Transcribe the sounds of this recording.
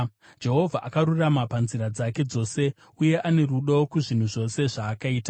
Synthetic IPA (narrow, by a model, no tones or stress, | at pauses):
d͡ʒe̞ɦo̞vʱaʔakaɾuramapanziɾad͡zake̞d͡zo̞ːse̞ | uje̞ʔane̞ruɗokuʐin̤uʐo̞se̞ʐaːkaiːta